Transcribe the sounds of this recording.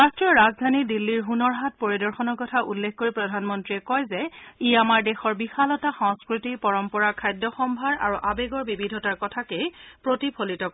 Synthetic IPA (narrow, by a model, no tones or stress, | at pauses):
ɹastɹiɔɹazdʱanidilːiɹɦunɔɹɦat̚poɹidɔɹxɔnɔɹkɔtʰaʔṵlːekʰkoɹipɹɔdʱanmɔntɹiɛkɔjzɛijamaɹdɛxɔɹbixalɔtaxɔ̃ŋskɹutipɔɹɔmpɔɹakʰajdːɔxɔmbʱaɹa̰ɹuʔabeɡɔɹbibidʱɔtaɹkɔtʰakejpɹotipʰolitɔk